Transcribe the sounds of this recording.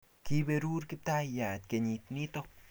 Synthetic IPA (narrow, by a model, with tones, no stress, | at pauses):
ki˦beɾu˦ɾki˦p̚t̪a˦ja˨t̪̚keɲit̪ni˦t̪o